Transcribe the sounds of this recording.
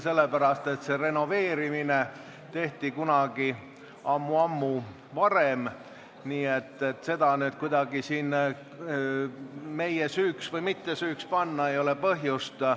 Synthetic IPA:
se̞lːepæɾɑst̪e̞t̪se̞re̞no̞ve̞ːɾimine | t̪e̞ht̪ikunɑɡ̥i | ɑmːuɑmːu | vɑɾem | niːe̞t̪ˑːe̞t̪ːse̞d̪̥ɑnyːd̪̥kujd̪̥ɑɡ̥isiːn | me̞jesyːksvɤjmit̪ːe̞syːkspɑnːɑe̞jo̞le̞pɤɦjust̪

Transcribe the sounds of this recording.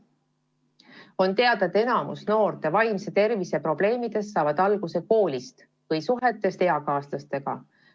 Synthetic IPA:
o̞nt̪e̞ɑd̪̥ed̪e̞nɑmṵsno̞ːɾt̪e̞vɑjmse̞t̪e̞rvise̞pro̞b̥le̞ːmid̪̥e̞sːɑːvɑd̪̥ɑlɡ̥use̞ko̞ːlʲist̪ | vɯjsuɦe̞t̪ːˑe̞st̪e̞ɑkɑːst̪ɑst̪e̞ɡ̥ɑ̰

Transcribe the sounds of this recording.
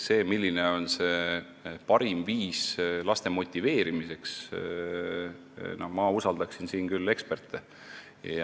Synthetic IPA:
se̞ːmilʲːine̞o̞nse̞ | pɑɾimviːslɑst̪e̞mo̞t̪ʲːˑive̞ːɾimise̞ks | nohmɑusɑld̪ɑksinsiːnkylːe̞kspert̪ːˑe | jɑ

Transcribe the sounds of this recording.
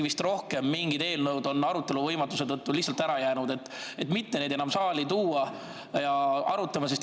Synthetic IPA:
vist̪ro̞hke̞mːiŋɡid̪e̞ːlnɤwd̪o̞nːɑɾut̪ːˑe̞luvɤjmɑt̪ːuse̞t̪ɤt̪ːulihtsɑlt̪æɾɑjæːnud̪e̞t̪ːet̪mit̪ːe̞ne̞ːd̪enɑmsɑːlit̪uːɑ | jɑɑɾut̪ːˑɑmɑse̞st̪

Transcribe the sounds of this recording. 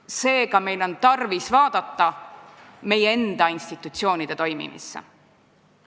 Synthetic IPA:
se̞ːkɑme̞jlo̞nt̪ɑrvisvɑːd̪̥ɑt̪ːɑ | me̞jeend̪̥ɑinst̪it̪ːˑut̪sio̞ːnid̪̥e̞t̪o̞jmḭmʔḭsːḛ

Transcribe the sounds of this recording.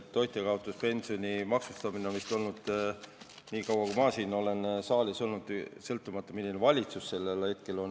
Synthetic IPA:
t̪ːo̞jt̪ekɑot̪ˑːuspe̞nʲsio̞nʲimɑksust̪ɑminemist̪o̞lnud̪̥ | niːkɑwɑkumɑːsiːno̞le̞nsɑːliso̞lnud̪sɤ̞lt̪ːˑumɑt̪ːˑɑmilːinevɑlʲit̪susːe̞lːelhe̞t̪̚ke̞lo̞n

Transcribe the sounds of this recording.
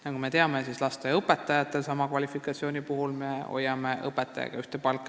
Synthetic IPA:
nɑkume̞t̪e̞ɑmesislɑst̪eɤpːˑet̪ːˑɑjɑt̪ːˑe̞lsɑmɑkvɑlʲifikˑɑt̪sioːnʲipuɦulme̞o̞̰jːɑme̞ʔɤpːet̪ːˑɑjɑ̰ɡ̥ɑ̰yht̪epɑlkːˑ

